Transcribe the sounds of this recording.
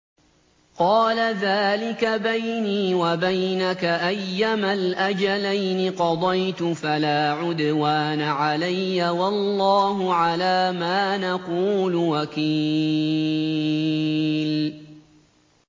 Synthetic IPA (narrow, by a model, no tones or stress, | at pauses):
qɑːlaðaːlɪkabajniːwabajnakaʔajːamalʔad͡ʒalajnɪqɑd̪ˤɑjt̪ʊfalaːʕʊd̪waːnaʕalajːawɑlːɑːɦʊʕalaːmaːnaquːlʊwakiː | l